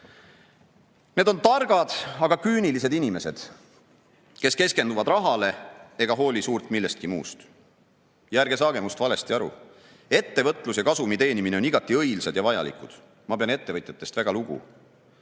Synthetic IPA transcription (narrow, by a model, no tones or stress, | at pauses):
ne̞d̪o̞nt̪ɑrɡ̥ɑd̪̥ɑɡ̥ɑkyːnilis̬e̞d̪inime̞se̞d̪̥ | ke̞ske̞ske̞nd̪uvɑd̪rɑɦɑle̞e̞ɡ̥ɑɦo̞ːlʲisuːrt̪milːest̪̚kimṵːst̪ | jærɡ̥e̞sɑːɡ̥e̞must̪vɑle̞st̪iɑɾṵ | e̞t̪ːe̞vɤ̞t̪ːˑlusjɑkɑsumit̪e̞ːnimineo̞niɡ̥ɑt̪ˑːiɤ̞jlsɑd̪̥jɑvɑjɑ̰lḭkud̪̥ | mɑpe̞ɑne̞t̪ːe̞vɤt̪jɑt̪ːˑe̞st̪væɡ̥ɑluɡ̥ṵ